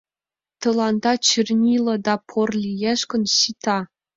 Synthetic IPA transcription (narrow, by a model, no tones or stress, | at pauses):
t̪ɤ̆lˠɑnd̪ɑt͡ɕʰirʲnʲilʲˠɤ̆d̪ɑpʰorlʲijeʂkɘ̆nɕit̪ɑ